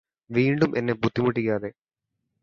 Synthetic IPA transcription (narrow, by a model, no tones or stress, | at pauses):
ʋiːɳɖumʔenːe̞but̪ːimuʈ̬ːikʲːaːðe̞